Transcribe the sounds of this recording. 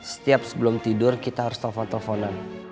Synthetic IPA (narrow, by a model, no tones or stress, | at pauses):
sə̥t̪iap̚səbəlʊmt̪idʊrkit̪aɾʊst̪ɔfɔnt̪ɔfɔnan